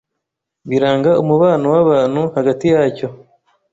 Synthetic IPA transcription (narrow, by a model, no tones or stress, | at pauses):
βiɾaːŋɡaumuβaːnuwaβaːn̥huhaɡatijaːco̞